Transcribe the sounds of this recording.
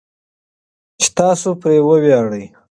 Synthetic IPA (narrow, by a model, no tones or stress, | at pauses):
t͡ʃe̥t̪ɑːsopɾewəwjɑːɽəj